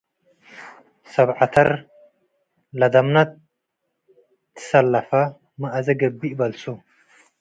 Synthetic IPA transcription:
sɐβʕat̪ʰɐ̰ɾ | lɐd̪ɐmnɐt̪ | ɨ̥sɐlːɐfɐ | mɐʔɐzɐɡɐbːiʔbɐlsu

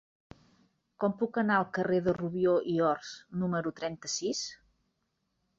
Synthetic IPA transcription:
kɔmpukənaəlˠkəreðəruβjoʔiɔɾsnuməɾut̪ɾɛnt̪əsis

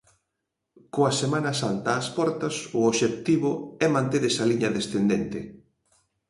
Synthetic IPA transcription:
koasemanasant̪aːspɔɾt̪ɐsʊoβʃek̚t̪iβʊɛmãnt̪eðesaliɲɐðesθend̪ent̪ɪ

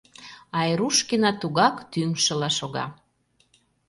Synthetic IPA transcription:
ɑjɾuʃkinɑt̪uɣɑkt̪yŋʃə̆lɑʃoɣɑ̰

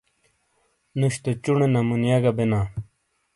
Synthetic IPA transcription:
nuɕt̪et͡ɕuɳenɐmunjaɡabenaː

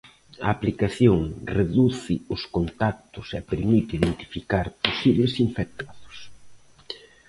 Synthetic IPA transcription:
ɐ̰ːplikaθjoŋreðuθɪʊskont̪ak̚t̪ʊsɛpeɾmit̪iðent̪i̥fikaɾposiβlɪsiɱfɛk̚t̪aðʊ̥s

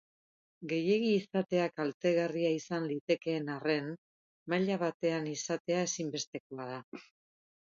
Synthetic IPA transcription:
ɡe̞je̞ɣiːsat̪e̞akalt̪e̞ɣariaisanlit̪e̞ke̞ːnare̞n | maʎaβat̪e̞anisat̪e̞ae̞simbe̞st̪e̞ko̞aða

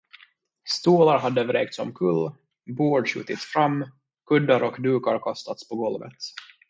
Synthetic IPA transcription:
st̪uːlaɾɦad̪ːəvɾeːk̚t̪sɔmkʰɵlː | boːɖʂʉ̰ːt̪ɪt̪sfɾamː | kʰɵd̪ːaɾʔɔkd̪ʉːkaɾkʰɔst̪at̪spʰɔɡɔlvə̰t̪

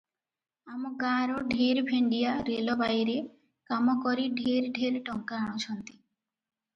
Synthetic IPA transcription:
amɔɡaːɾɔɖʱeɾbʱeɳɖijaɾelɔbajɾe | kamɔkɔɾiɖʱeɾɖʱeɾʈɔŋkaːɽ̃ɔt͡ʃʰɔnt̪i̥

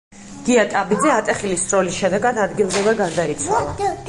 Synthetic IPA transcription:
ɡ̥iat̪ʼabid̪zɛat̪ʼɛχilisɾɔlisʃɛd̪ɛɡad̪ad̪ɡilˠzɛvɛɡand̪ait̪sʰalˠa

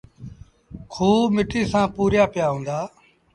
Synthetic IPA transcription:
kʰuːmɪʈiːsãːpuːɾjaːpɪjaːɦõːnd̪aː

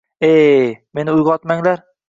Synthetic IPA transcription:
eme̞nɪʊjʁɒt̪maŋlaɾ

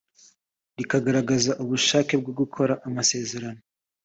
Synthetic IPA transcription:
ɾikaɡaɾaɡazaʔuβuʃaːke̞b̚ɡoɡukʰo̞ɾaʔamase̞ːze̞ɾano

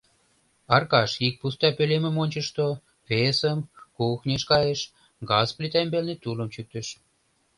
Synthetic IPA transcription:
ɑrkɑʃik̚pust̪ɑpølemə̆monʲt͡ɕə̆ʃt̪o | βesəmkuxnʲeʃkɑjeʃ | ɡɑsplit̪ɑembelnet̪uləmt͡ɕyk̚t̪ə̆ʃ

